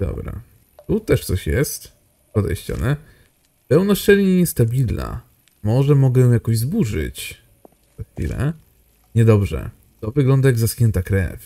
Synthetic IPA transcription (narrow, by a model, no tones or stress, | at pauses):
d̪ɔ̰bɾa̰ | t̪ut̪ɛʂt̪sɔɕjɛ̰st̪ | pɔd̪ɛ̰jɕt͡ɕɔ̰nɛ | pɛwnɔʂt͡ʂɛlʲɲeɲɛst̪abʲilna̰ | mɔʐɛmɔɡɛjɔ̃jakɔ̃ʑzbuʐɘ̰t͡ɕ | zaxfʲḭlɛ̰ | ɲɛd̪ɔbʐɛ̰ | t̪ɔvɘɡlɔnd̪ajaɡzaskɲɛnt̪akɾɛ̰f